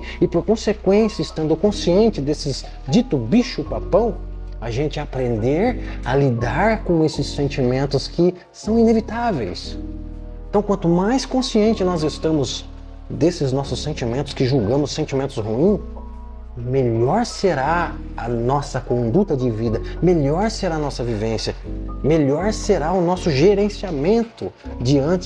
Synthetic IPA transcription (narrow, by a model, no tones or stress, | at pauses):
ɪpoɾkõsekwẽsjɐɪst̪ɐ̃nd̪ʊkõsiẽnt͡ʃɪd̪esɪz | d͡ʒit̪ʊbiʃʊpapɐ̃w̃ | ɐʒẽnt͡ʃɪapɾẽnd̪eɾɐlid̪aɾkõesɪsːẽnt͡ʃimẽnt̪ʊskɪ | sɐ̃w̃inevit̪avejs | ẽt̪ɐ̃w̃kwɐ̃nt̪ʊmajskõsiẽnt͡ʃɪnɔzɪst̪ɐ̃mʊz | d̪esɪznɔsʊsːẽnt͡ʃimẽnt̪ʊ̥skɪʒuɡɐ̃mʊsːẽnt͡ʃimẽnt̪ʊshuĩ | meʎɔɾseɾa | ɐnɔsɐkõnd̪ut̪ɐd͡ʒɪvid̪ɐmeʎɔɾseɾaɐnɔsɐvivẽsjɐmeʎɔɾseɾaʊnɔsʊʒeɾẽsiamẽnt̪ʊ | d͡ʒɪɐ̃nt͡ʃɪ